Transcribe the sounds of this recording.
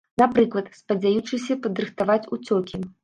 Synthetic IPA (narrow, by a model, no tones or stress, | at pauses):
napɾɨklˠɐt̪spɐd͡zʲajut͡ʂɨsʲɐpɐd̪ɾɨxt̪avat͡sʲut͡sʲɔkʲi